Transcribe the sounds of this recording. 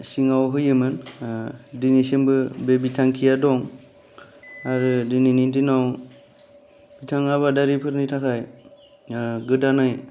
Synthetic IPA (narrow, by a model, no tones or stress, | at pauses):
siŋawɦɯjɯmɯn | dinisembɯbebitʰaŋkʰijadɔŋ | aɾɯdɯninindinaw | b̥itʰaŋaβadaɾipʰɯɾnitʰakʰaj | ɡɯdanɯj